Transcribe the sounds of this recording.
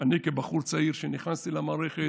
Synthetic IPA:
anikebaχuɾt͡saiɾʃeniχnast̪ilamaːɾeχe

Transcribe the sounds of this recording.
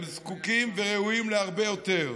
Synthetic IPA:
mzkukimveʁeuimleaʁbejot̪eʁ

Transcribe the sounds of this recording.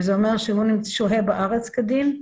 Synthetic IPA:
zeome̞ʁʃehunimʃoɦebaʔaʁet͡skad̪im

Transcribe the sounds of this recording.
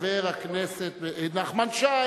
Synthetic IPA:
veːɾaknɛsɛtnaχmanʃa

